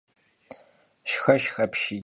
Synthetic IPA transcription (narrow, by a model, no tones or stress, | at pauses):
ʃxɐʃxɐpʰʃi